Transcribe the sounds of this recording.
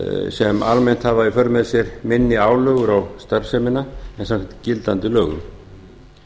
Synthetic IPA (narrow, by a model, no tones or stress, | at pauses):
sɛma̰lmen̥t̪havaifœɾmɛðsjɛɾmɪnːɪaːwlœːɣʏɾawst̪aɾ̥sɛmɪnaɛnsankɛt̪cɪlt̪ant̪ʏlœːɣʏ̰m